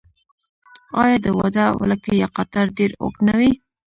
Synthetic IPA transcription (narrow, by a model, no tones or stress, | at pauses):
ɑjɑd̪əwɑ̰d̪awə̰lakejaqat̪aɾd̪eɾo̰knawi